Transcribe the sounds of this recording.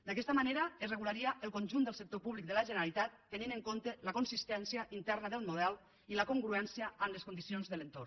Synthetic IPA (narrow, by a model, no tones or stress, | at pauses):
d̪akɛst̪əmaneɾaezrəɣulaɾiaʔelˠkonʲʒund̪əlˠsək̚t̪opuβlik̚d̪əlaʒəneɾalit̪at̪ːeninəŋkont̪ələkonsist̪ɛnsiaʔint̪ɛrnaðəlˠmuðɛlˠ | iləkoŋɡɾuɛnsijaːmleskund̪isionzðəlent̪o̰r